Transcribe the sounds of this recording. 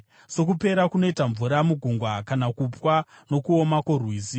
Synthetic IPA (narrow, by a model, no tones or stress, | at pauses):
so̞k̬upe̞ɾakuno̞itaɱvuɾamuɡʱuŋɡwakanakupwa | no̞kuomakorwiːsi